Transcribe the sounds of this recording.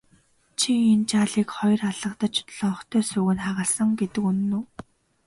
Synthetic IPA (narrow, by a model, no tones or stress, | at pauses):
t͡ɕʰient͡ɕaːɮiːkχɔjraɮə̆qt̪ə̆t͡ɕʰt̪ɮ̥ɔχt̪ʰœːsɵɣɘ̆nχaʁə̆ːɮsə̆ŋɡet̪ɘ̆kun̆ːuː